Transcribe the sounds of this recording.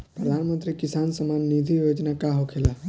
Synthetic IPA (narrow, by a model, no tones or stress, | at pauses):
pɾəd̪ʱanmənt̪ɾikisansəmanːid̪ʱijod͡ʒnakaɦokʰela